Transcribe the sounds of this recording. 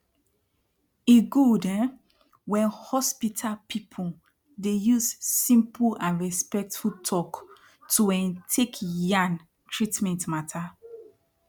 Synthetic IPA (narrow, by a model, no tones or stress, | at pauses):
iɡudɛ̃ | wɛ̃nhɔspitʰalpʰipʰu | dejuzsĩmpulãnɹɛspɛk̚tfutʰɔk | tuɛ̃ntʰekjãn | tʰɹitmɛ̃ntmatʰa